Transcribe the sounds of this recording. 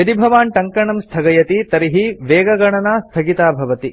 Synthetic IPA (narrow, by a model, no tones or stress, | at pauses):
jɐd̪ibʱɐʋaːnʈɐŋkɐɳɐmst̪ʰɐɡɐjɐt̪it̪ɐɾiɦiʋeːɡɐɡɐɳɐnaːst̪ʰɐɡit̪aːbʱɐʋɐt̪i